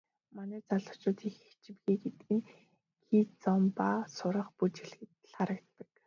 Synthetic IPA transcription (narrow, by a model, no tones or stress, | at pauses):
manæːt͡saɮə̥̆ʊ̆t͡ɕʊːt̪ʰixe̥kt͡ɕɪ̆mɡiːɡet̪ɘ̆ɡɘ̆n | xʰiːt͡sɔmpaːsʊɾə̆χput͡ɕiɮxɘ̆t̪χaɾə̆kt̪ːə̥̆k